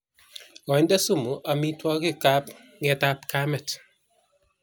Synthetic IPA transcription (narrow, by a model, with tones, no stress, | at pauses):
ɔ˨ɲ˦da˦su˦˨mu˨ʔa˨mi˦twɔ˦ki˦˨ka˦p | ŋɛ˦ta˦pka˦mɛ˨t